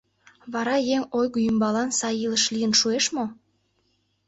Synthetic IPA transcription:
βɑɾɑjeŋojɣujymbɑlɑnsɑjiləʃlijənʃueʃmo

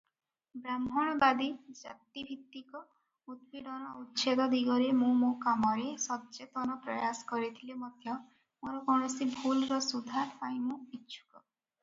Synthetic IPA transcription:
bɾambʱɔɽ̃ɔbad̪id͡ʒa̰t̪ibʱit̪ːikɔ | ut̪̚piɽɔnɔutːt͡ʃʰed̪ɔd̪iɡɔɾemũmokamɔɾesɔtːt͡ʃet̪ɔnɔpɾɔjasɔ̥kɔɾit̪ʰilemɔd̪ʱjɔ | moɾɔkɔɳ̃ɔsibʱulɾɔsud̪ʱaɾpaj̃mũitːt͡ʃʰu̥kɔ

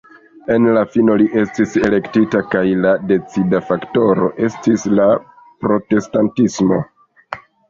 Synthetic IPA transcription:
e̞nlafino̞liʔe̞stise̞le̞ktitakajlade̞t͡sidafakto̞ɾo̞̰ʔe̞stisla | pɾo̞te̞stantismo̞

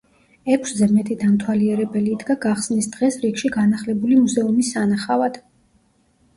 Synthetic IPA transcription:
ɛkʷʰszɛmɛt̪ʰid̪amt̪ʰwaliɛɾɛbɛliːd̪ɡaɡaχsnisd̪ʁɛsɾiɡʃiɡanaχlɛbulimuzɛumisːanaχavad̪̥

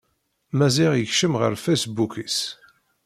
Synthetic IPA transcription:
mæziʁjəçʃəmʁə̰ɾfæsbukis

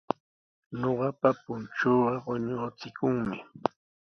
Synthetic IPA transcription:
noɢɑpapʊnt͡ʃoːɢɑɢoɲot͡sɪkʊŋmɪ

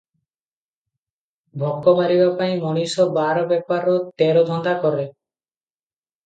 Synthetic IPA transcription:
bʱɔkːɔmaɾibapaĩmɔɽ̃isɔbaɾɔbɛpaɾɔt̪eɾɔd̪ʱɔnd̪akɔɾe

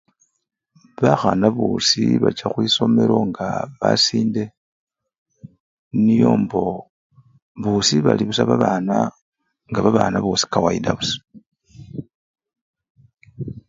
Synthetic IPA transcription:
βaxanaβusiβat͡ʃaxwiso̞me̞ɾo̞ŋɡaβasiːnde̞ | nijo̞ːmbo̞ | βusiβaliβusaβaβaːna | ŋɡaβaβaːnaβo̞si̥kawaidaβusḁ

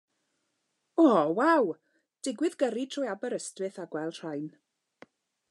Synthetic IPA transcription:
ɔːwaw | d̥ɪɡwɪðɡəɾitʰrɔjabəɾəstwɨθaɡwɛlˠdr̥ajn

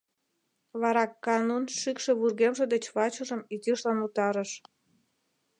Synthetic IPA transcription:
βɑɾɑkːɑnunʃykʃĕβurɣemʒĕd̪et͡ɕβɑt͡ɕə̆ʒə̆mit̪iʃlɑnut̪ɑɾəʃ

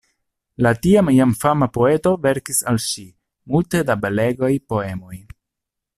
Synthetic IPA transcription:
latiamjamfamapo̞e̞to̞ve̞ɾkisalʃi | multe̞dabele̞ɡajpo̞e̞mo̞j

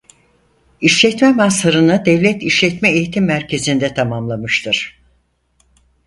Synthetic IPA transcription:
iʃlʲɛt̪mɛmasaɾɯnɯd̪ɛvlʲɛt̪iʃlʲɛt̪mɛejit̪ʰimːæɾcʰe̞zind̪ɛt̪ʰamamlˠamɯʃt̪ʰɯɾ̥

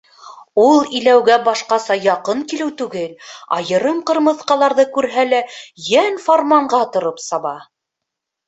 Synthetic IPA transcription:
ulˠĭlæwɡæbɑʃqɑsɑjɑqɤŋkilɘwt̪ʉɡɘlɑ̰jɤ̆ɾɤmqɤ̆ɾmɤ̆ðqɑlˠɑɾðɤkʉɾɦælæjænformɑɴɢɑt̪ŏɾopsɑβɑ

